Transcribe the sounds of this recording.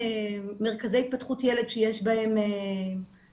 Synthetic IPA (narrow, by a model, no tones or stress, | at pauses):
me̞ʁ̞kaze̞jit̪̚patχutjele̞d̪ʃejeʃbae̞me